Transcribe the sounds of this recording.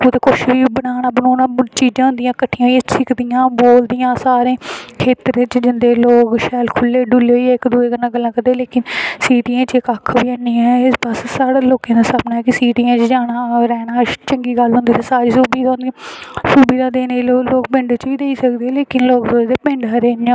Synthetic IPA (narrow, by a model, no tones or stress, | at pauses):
ot̪ekʊʃʋiːbənaːnaːbənoːnaːt͡ʃiːd͡ʒãːɦʊ̃nd̪ijãːkəʈʰːɪjãːɦiãːsɪkd̪ɪjãːboːld̪ɪjãːsaːɾẽːkʰeːt̪ɾẽːt͡ʃd͡ʒɪnd̪eːloːkʃɛːlkʰʊlːeːɖuleːɦoiːɛːɪkd̪uːeːɡəlːãːɡəlːãːkəd̪eːleːkɪnsiːʈiãːt͡ʃɪkəkʰʋiːəniːɛːɪsbəssaːɽaːloːkẽːd̪aːsəbnaːɛkɪsiːʈijãːt͡ʃd͡ʒaːɽaːɾɛːnaːt͡ʃəŋɡiːɡəlɦʊ̃nd̪iːt̪eːsaːɾiːsuːbiːd̪ʊ̃ndij̃suːbiːd̪aːd̪eːneiloːloːkbɪ̃ɳɖət͡ʃʋiːd̪eiːsəkd̪eɛːleːkɪnloːkdoːd̪eːpɪ̃ɳɖaːɾɛːnɪjãː